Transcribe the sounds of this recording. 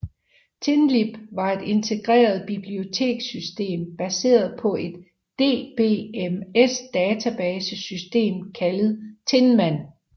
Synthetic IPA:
t͡sʰe̝nlib̥ʋɑ̈e̝d̥e̝nt͡sʰe̝ɡ̥ʁɛ̰ːɐð̞ˠb̥ib̥lio̝t͡sʰe̝̰ːɡ̥sysd̥e̝̰ːmb̥æse̝̰ːɐð̩ˠpʰɒ̽ʔe̝d̥ː | e̝̰ːb̥e̝̰ːemesd̥ɛːt͡sʰæb̥ɛːsəsysd̥e̝̰ːmkʰæləð̩ˠt͡sʰe̝nmæn̰

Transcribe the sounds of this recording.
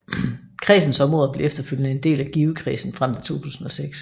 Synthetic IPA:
kʰʁḭːsn̩sɒ̽mʁɔ̽ːðˠb̥le̝efd̥ɐføljnəe̝nd̥e̝̰ːlæɡ̥iːʊəkʰʁḭːsn̩fʁam̰t͡sʰe̝̥t͡sʰo̝̰ːt͡sʰṵːsn̩ɒ̽seɡ̥s

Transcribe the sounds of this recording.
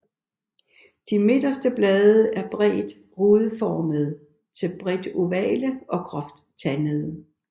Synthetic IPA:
d̥ime̝d̥ɐsd̥əb̥lɛːðˠəʔæɐb̥ʁɛ̰ːd̥ | ʁuð̩ˠfɒːməð̞ˠ | t͡sʰe̝lb̥ʁɛd̥uʋɛ̰ːləʔɒ̽kʰʁɒ̽fd̥t͡sʰænəð̞̩ˠ

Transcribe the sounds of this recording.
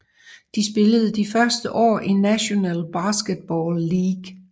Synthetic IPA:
d̥isb̥e̝ləð̞̩ˠd̥ifɶɐsd̥əʔɒ̰ːʔinːæɕo̝nɛ̰ːlb̥ɑ̈ːsɡ̥əd̥̚b̥ɒːlːiːɡ̥

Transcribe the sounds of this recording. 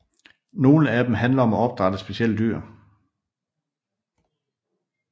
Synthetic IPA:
no̝ːləæd̥emɦænlɐɒ̽mæɒ̽b̥̚d̥ʁɑd̥əsb̥e̝ɕiel̰d̥yɐ̰

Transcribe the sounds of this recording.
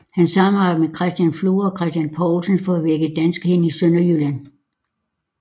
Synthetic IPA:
hænsɑ̈mɑmekʰʁɛsd̥jænfluːɒ̽kʰʁɛsd̥jænpʰɒːlsənfɒ̽æʋeɐɡ̥əd̥ænsɡ̥he̝nisøn̰ɐjylæn

